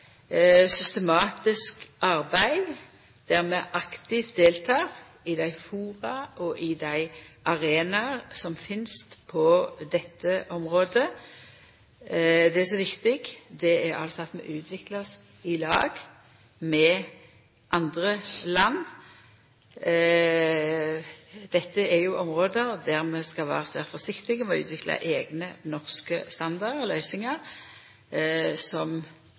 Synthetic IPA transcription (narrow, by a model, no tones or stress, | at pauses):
sʏst̪əmɑːt̪ɪskʔɑɾbæɪ | d̪̥æʁmɛʔɑkt̪ɪft̪̚d̪eːlt̪ʰɑːʁ | ɪd̪æɪfuːɾɑʔɔʔɪd̪æɪʔɑʁeːnɑʁsɔmfɪnst̪pʰɔd̪ɛt̪ʰːəʔɔmʁoːd̪ə | d̪ɛæs̬ɔʋɪkt̪ɪɡd̪ɛæɾɑ̰lsɑt̪mɛ̰ʔʉːt̪ʰʋɪklɑs | ɪlɑ̰ːɡ | mɛ | ʔɑnd̪ʁəlɑnː | d̪̥ɛt̪ːəɛɾjʊʔɔmʁoːd̪əɾd̪æʁmɛskɑlʋæ̰ːʁəsḛːʁfɔsɪkt̪ɪɡəmɛɔʉːt̪ʋɪklɑ̰ʔeːɡnənɔʁskəst̪ɑnd̪ɑlœʏsɪŋəʁ | sɔm